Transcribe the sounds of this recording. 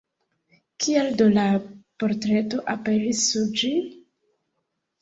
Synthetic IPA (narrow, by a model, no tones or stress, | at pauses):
kʰieldo̞lapo̞ɾtɾe̞to̞ʔape̞ɾisːuɾd͡ʒi